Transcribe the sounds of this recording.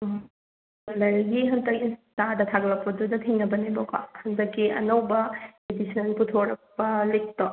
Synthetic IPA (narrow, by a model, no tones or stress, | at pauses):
lɐɾɡiɦɐndɐkinstadɐtʰaɡlɐpːɐdudɐtʰeŋnɐbɐnibɔka̰hɐndɐkːiɐ̰nɐwbɐedisʰɐnputʰoɾɐk̚pɐlek̚to